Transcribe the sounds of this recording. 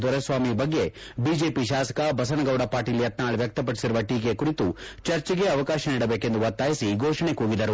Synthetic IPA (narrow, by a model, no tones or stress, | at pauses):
d̪ɐɾɐsʋaːmibɐɡːe̞biːd͡ʒe̞ːpiʃ̬aːsɐ̥kɐbɐs̬ɐnɐɡɐwɽɐpaːɾʈiːlːjɐt̪naːɭʋjɐk̚t̪ɐp̬ɐɽisiɾuʋɐʈiːkekuɾit̪ut͡ʃɐɾt͡ʃiɡe̞ɐʋɐkaːʃɐniːɽɐbe̞ːke̞nd̪uʋɐt̪ːaːjisiɡoːʃɐɳe̞kuːɡid̪ɐɾu